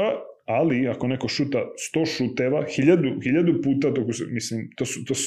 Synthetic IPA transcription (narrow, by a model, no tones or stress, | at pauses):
aaliako̞neko̞ʃut̪ast̪o̞ːʃut̪eʋaxiʎad̪uxiʎad̪upuːt̪at̪okusmislimt̪oːsut̪os